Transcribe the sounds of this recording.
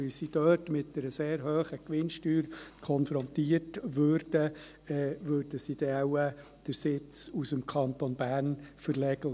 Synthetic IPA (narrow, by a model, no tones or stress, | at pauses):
ɪsid̥œːtmɪtdəɾəseːɾɦøːχəkʋɪnʃtyːɾkʰɔnfɾɔnt̪iːərtʋøːɾd̥ə | ɛːʋøːɾd̥əsid̥ɛaʊə | d̥əɾsɪt͡susəmkʰɑnt̪onb̥æːɾnfəɾlɛɡə